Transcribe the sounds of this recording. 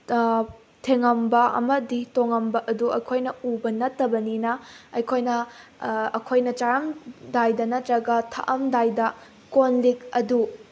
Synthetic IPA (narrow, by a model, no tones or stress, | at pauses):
tʰeŋɐmbɐɐ̰mɐditoŋɐmbɐʔɐduɐjkʰojnɐubɐnɐtːɐbɐninɐɐjkʰojnɐ | ɐkʰojnɐt͡ʃaɾɐmdajdɐnɐtɾɐɡɐtʰɐ̰ʔɐmdajdɐ | konlikɐdu